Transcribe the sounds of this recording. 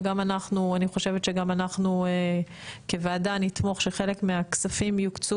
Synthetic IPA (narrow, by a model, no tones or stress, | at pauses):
ɡamanaχnuaniχo̞ʃe̞vet̪ʃeɡamanaχnuekevaːdanit̪mo̞χʃeχe̞le̞kmeaksafimjukt͡su